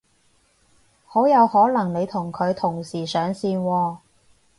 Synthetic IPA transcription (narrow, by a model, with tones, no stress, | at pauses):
ho˨˥jɐ˨˧whɔː˨˥lɐ˨˩ŋne˨˧jt̪ʰʊ˨˩ŋkʰɵ˨˧ɥt̪ʰʊ˨˩ŋsiː˨˩sœː˨˧ŋsiː˧nwɔː˧